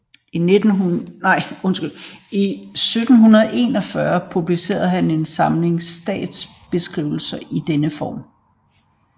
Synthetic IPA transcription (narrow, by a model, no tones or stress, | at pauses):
ined̥n̩unɑɪ̰ɔ̽nsɡ̥ylisød̥n̩ɦunɐðˠʔe̝ːnɒ̽fɶɐpʰub̥lise̝̰ːɐð̩ˠɦæne̝nsɑ̈mle̝ŋsd̥ɛ̰ːd̥sb̥e̝sɡ̥ʁiʊ̰l̩sɐʔid̥enəfɒ̰ːm